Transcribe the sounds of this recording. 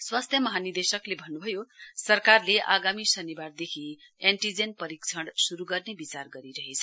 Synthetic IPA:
swast̪ʰjʌmʌɦanird̪esʌklebʱʌnːubʱʌjosʌrkarleʔa̰ɡamisʌniward̪ekʰi | eɳʈid͡zenpʌɾikt͡sʰʌɽsuɾuɡʌrnebit͡sarɡʌɾiɾʌɦet͡sʰʌ

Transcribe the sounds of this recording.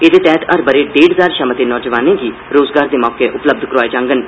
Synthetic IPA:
ed̪eːt̪ɛːʈ̪əɾbəɾeːɖeːɖɦzaːɾʃəmət̪eːnɔːd͡ʒəʋaːnẽːɡiː | ɾoːzɡaːɾd̪eːmɔːkeːʔʊpləb̚d̪ʱkəɾaːeːd͡ʒãːŋɡən

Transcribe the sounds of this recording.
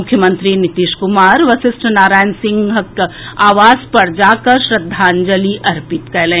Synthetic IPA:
ʊkʰjəmə̃nt̪ɾinɪt̪iːʃkʊmaːɾʋɐʃɪsʈənaːɾaːjnsɪ̃ŋɡɦɐkaːʋaːzpɐɾd͡ʒaːkɐɾʃɾɐd̪ʱːaːnd͡ʒɐliʔɐɾpɪt̪kɛːlẽː

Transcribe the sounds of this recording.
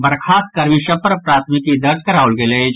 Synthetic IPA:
bɐɾkʰaːt̪̚kɐɾʋiʃɐpəɾpɾaːt̪ʰmɪkid̪ɐɾd̪kɐɾaːʋʊlɡeled͡ʒ

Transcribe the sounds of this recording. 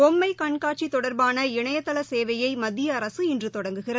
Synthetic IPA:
ɔmːɐɪkɐɳkaːʈ̚t͡ʃit̪ɔɽɐɾbaːnɐɪɳɐjɐt̪ːɐlɐseːʋɐjɐɪmɐd̪ːɪjɐːɾɐsɯɪndrɯt̪ɔɽɐŋɡɯɣɪrɐ

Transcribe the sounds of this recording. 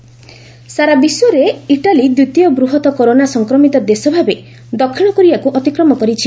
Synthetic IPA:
saɾabisuɾeiʈalid̪ɾut̪jɔbɾuɦɔt̪ɔkoɾonasɔŋkɾɔmit̪ɔd̪esɔbʱabe | d̪ɔkʰːiɽ̃ɔkɔɾibakuʔɔt̪ikɾɔmɔkɔɾit͡ʃʰi

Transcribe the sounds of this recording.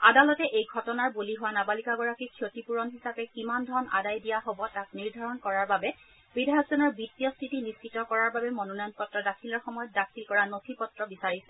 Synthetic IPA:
adalɔtɛʔejɡʱɔtɔnaɹboliɦʊwanabalikaɡɔɹakikʰiotipuɹɔnɦisapɛkimandʱɔna̰dajdijaɦobɔtak̚niɹdʱaɹɔnkɔɹaɹbabɛ | b̥idʱaɡzɔnɔɹbitːijɔstʰitiniskitɔkɔɹaɹbabɛmɔnɔnɔjɔnpɔtɹɔdakʰilɔɹxɔmɔjɔt̚dakʰilkɔɹanotʰipɔtɹɔbisaɹisɛ

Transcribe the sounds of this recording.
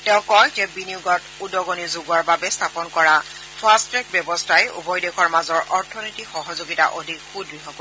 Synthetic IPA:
tɛʊ̃kɔjzɛbiniuɡɔt | udɔɡonizoɡuaɹbabɛstʰapɔnkɔɹa | pʰastɹɛk̚bjɔbɔstʰajṵbɔjdexʰɔɹmazɔɹʔɔɹtʰɔnitixɔɦɔzoɡita̰ʔodʱikxudɹiɦɔko

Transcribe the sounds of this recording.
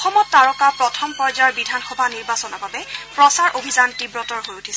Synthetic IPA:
ɔxɔmɔtːaɹɔkapɹɔtʰɔmpɔjzaɹbidʱanxɔbʱaniɹbasɔnɔbabɛpɹɔsaɹʔobʱizantibɹɔtɔɹɦojutʰisɛ

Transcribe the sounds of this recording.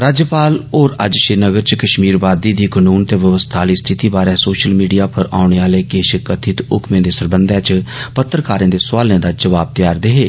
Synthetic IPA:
ɾaːd͡ʒjəpaːloːɾə̰d͡ʒʃɪnəɡəɾt͡ʃkəʃmiːɾʋaːd̪iːd̪iːkənuːnt̪eːʋəʋəst̪ʰaːliːst̪ʰɪt̪iːbaːɾɛ̃ːsoːʃəlmiːɖijaːpʰəɾaːʊɳeːaːleːkeːʃəkət̪ʰɪt̪ʊ̰kʰmẽːd̪eːsəɾbənd̪ɛ̃ːt͡ʃpət̪ːɾkaːɾẽːd̪eːsʋaːlẽːd̪aːd͡ʒəʋaːb̚t̪ɪjaːɾd̪eɦeː

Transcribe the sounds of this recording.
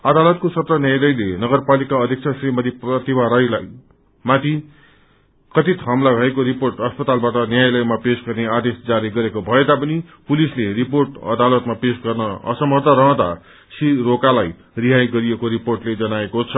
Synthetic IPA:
ʌd̪alʌt̪̚kosʌt̪rʌnjajlʌjlenʌɡʌrpalikaʌd̪ʱjʌkt͡sʰʌsrimʌd̪ʱiprʌt̪ibaɾʌjlaj | mat̪i | kʌt̪it̪ɦʌmlaɡʱʌekoɾiporʈʌspʌt̪albaʈʌnjajlʌjmapesɡʌrnead̪esd͡zaɾiɡʌɾekobʱʌed̪apʌnipulisleriporʈʌ̰d̪alʌt̪mapesɡʌrnʌʌ̰sʌmʌt̪aɾʌɦʌ̃t̪a̰ | siɾokalaj | riɦajɡʌɾiekoɾiporʈled͡zʌnaekot͡sʰʌ

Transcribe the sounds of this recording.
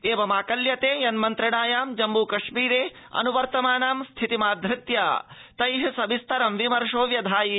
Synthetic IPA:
eːʋɐmaːkɐljɐt̪eːjɐnmɐnt̪ɾɐɽaːjaːmd͡ʒɐmbuːkɐʃmiːɾeː | ɐ̰nuʋɐɾt̪ɐmaːnaːmst̪ʰit̪imaːd̪ʱɾɪt̪ja̰ːt̪ɐjɦɐsɐbist̪ʰɐɾɐmʋimɐɾʂoːʋjɐd̪ʱaːji

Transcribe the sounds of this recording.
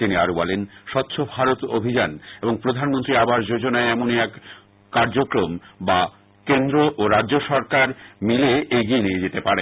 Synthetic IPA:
t̪inia̰ɾobɔlenʃɔt̪ːɕʰobʱaɾot̪o̰bʱid͡ʑaneboŋpɾod̪ʱanmont̪ɾiabaʃd͡ʑod͡ʑonaeɛmoneɛkː | aɾd͡ʑokɾomba | kend̪ɾoʔoɾad͡ʑʑoʃɔɾkaɾmileejɡienied͡ʑet̪epaɾe

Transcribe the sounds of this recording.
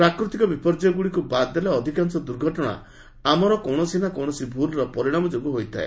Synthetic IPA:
pɾakɾut̪ikɔbipɔɾd͡ʒɔjɔɡuɽikubad̪elaɔd̪ʱikansɔd̪uɾɡʱɔʈɔɽ̃a̰ | amɔɾɔkɔɳ̃ɔsinakɔwɳɔsibʱulɾɔpɔɾiɽ̃amɔd͡ʒoɡuɦojt̪ʰa̰ḛ

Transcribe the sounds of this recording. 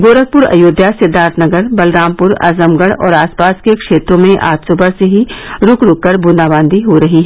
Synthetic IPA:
ɡoːɾək̚pʊɾɐ̰joːd̪ʱjasɪd̪ʱːaːɾt̪ʰnɐɡəɾbɐlɾãːmpʊɾɐ̰zəmɡəɽɔ̰ːɾaːspaːskekʃeːt̪ɾõmẽʔa̰ːt̪soːbəɾseɦiɾʊkɾʊkːəɾbʊnaːbãːnd̪iɦoɾɐɦiɦɛ

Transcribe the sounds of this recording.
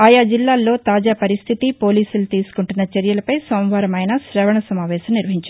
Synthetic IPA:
aːjaːd͡ʒilːaːlːo̞ːt̪aːd͡ʒaːpɐɾist̪ʰit̪ipoːliːsulut̪iːsu̥kuɳʈunːɐt͡ʃɛɾjɐlɐpɐjsɐw̃ʋɐɾɐmɐjnɐsɾɛːʋɐɳɐsɐmaːʋɛːsɐmniɾʋɐɦiɲt͡ʃɐi

